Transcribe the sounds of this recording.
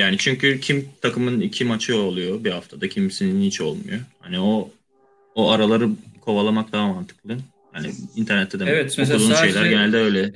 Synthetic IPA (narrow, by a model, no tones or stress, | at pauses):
jaːnit͡ʃʰyɲcycʰimt̪ʰakɯmɯnicʰimat͡ʃʰɯolˠujo̞bihaft̪ʰad̪acʰimsininit͡ʃo̞̰lˠmujohanio | oaɾalˠaɾɯkʰo̞valˠamak̚d̪aɦamant̪ʰɯ̥klˠɯ | hanḭint̪ʰæɾnɛt̪ʰːɛd̪eɛt̪okulˠuʃʃe̞jlʲæɾɟeælʲd̪ɛø̞jlʲɛ